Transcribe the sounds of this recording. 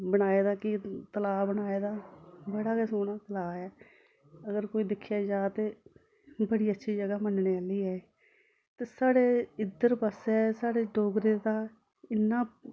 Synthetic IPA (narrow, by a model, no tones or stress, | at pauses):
bəɽ̃aːeːd̪aːkɪt̪əlaːbəɽaːeːd̪aːbəɽaːkesoːnaːt̪əlaːɛː | əɡəɾkoːiːd̪ɪkʰːjaːd͡ʒaːt̪eː | bəɽiːətːʃʰiːd͡ʒəɡaːmənɳeːaːliːɛːeː | t̪eːsaːɽeːɪd̪əɾpəsɛːsaːɽeːɖoːɡɾeːd̪aː | ɪnːãː